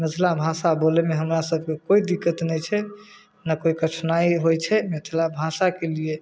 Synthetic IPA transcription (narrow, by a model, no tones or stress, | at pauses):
met̪ʰlabʱasabolemeɦəmɾasəb̚ʱkekoid̪ikːət̪nɛjt͡ʃʰɛ | nakoikət͡ʃʰnaiɦojt͡ʃʰɛmet̪ʰlabʱasakelie